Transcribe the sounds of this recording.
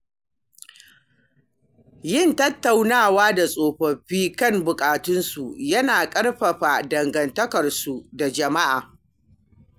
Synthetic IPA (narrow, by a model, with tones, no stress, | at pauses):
jɪ˦˨ntɐ˦tːa˨wnaː˦˨waː˦da˨sʼoː˨ɸɐ˨ɸiː˦kɐ˦˨mbʊ˨kʼaː˨tʊ˦nsu˨jɐ˦naː˨kʼɐ˦ɽɸɐ˨ɸa˨dɐ˨ŋɡɐ˨ntɐ˦kɐ˨rsu˨da˨d͡ʒɐ˨ma˦ʔaː˨